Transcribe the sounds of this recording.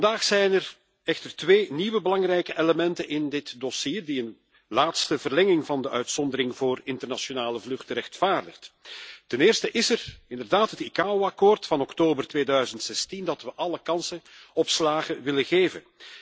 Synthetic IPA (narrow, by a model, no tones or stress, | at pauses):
fɑndaːxsɛjnɛr | ɛxtərtʋeːniʋəbəlɑŋrɛjkəʔeləmɛntənɪndɪtdosiːrdiən | laːtstəvərlɛŋɪŋvɑndəʔœɥtsɔndəɾɪŋvoːrɪntərnaʃonaːləvlɵxtəɾɛxtfaːrdəxttɛnɪːrstəʔɪsərɪndərdaːtɦətikaːoɑkoːrtfɑnɔktoːbərtʋeːdœɥzəntsɛstindɑtʋəʔɑləkɑnsənɔpslaːɣəʋɪləɣeːvən